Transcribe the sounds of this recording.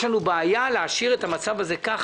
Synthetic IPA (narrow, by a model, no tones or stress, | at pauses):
lanubeajaleaʃiʁetamat͡savaze̞ka